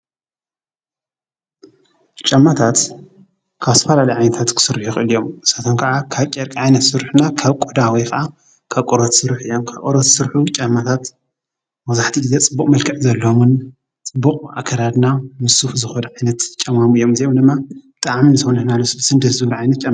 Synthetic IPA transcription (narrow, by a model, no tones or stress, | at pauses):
t͡ʃʼɐmːat̪ʰat̪ | kʰaβst̪ʰɐfɐlalɐjʕajnɐt̪ʰat̪kʰɨ̥sɨɾħuxʼɨlijo̞mʔɨsat̪ʰonkʰɐʔakʰaβkʼeɾkʼʕajnɐt̪sɨɾħnakʰaβkʼod̪awɔjkʰɐʔa | kʰaβkʼɔɾot̪sɨɾħʔɨjːomkʰaβkʼoɾot̪sɨɾħut͡ʃʼɐmːat̪ʰat̪ | mɐzaħt̪ʰiɡɨzet͡sʼɨbːukʼmɐlkʰɐʕzɐlːomɨn | t͡sʼɨbːuqʼa̰kʰɐɾad̪namɨsufzɨxɐdʕajnɐt̪t͡ʃʼɐmamɨjːo̞mzijomd̪ɨmːabɨt̪ʼaʕminɨswnɐhnalosɨbsɨnd̪ɐt̪zɨβɾʕajnɐt̪̚t͡ʃʼɐm